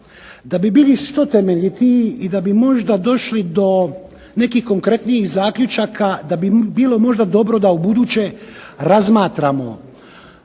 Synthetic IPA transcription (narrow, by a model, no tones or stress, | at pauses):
d̪abibiːliʃt̪o̞t̪emeʎit̪iid̪abimo̞ʒd̪ad̪o̞ʃlid̪o̞ | ne̞kiːhko̞ŋkɾe̞t̪nijixzaːkʎʲut͡ʃakʰad̪abibiːlo̞mo̞ʒd̪ad̪o̞bɾo̞d̪aubud̪uːt͡ɕe̞ɾazmaːt̪ɾamo̞̰